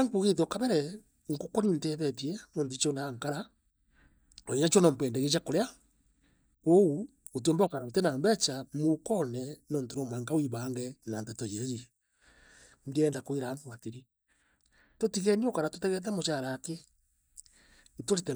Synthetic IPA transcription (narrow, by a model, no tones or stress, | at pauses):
aŋkuɣeðɔkaβɛɾɛ | ŋkokonintɛðɛtiɛnɔːntit͡ʃonaŋkaɾa | oiɲat͡ʃonampwɛːndɛɣet͡ʃakoɾea | ou | ot̬oːmbakaɾaotɛnaːmbɛt͡ʃamukɔnɛnɔːntoɾomwaŋkawiβaŋɡɛnantɛtojeɣiɛ | ndiɛːndakoiɾaoatiɾi | totiɣɛniokaɾatotɛɣɛt̬ɛmot͡ʃaɾake | ntoɾetɛ